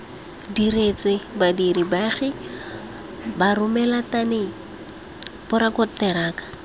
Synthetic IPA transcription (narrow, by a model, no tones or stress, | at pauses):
diɾet͡swebadiɾibaχɪ | barʊmɛlatane | bʊɾakɔtɛɾaːkḁ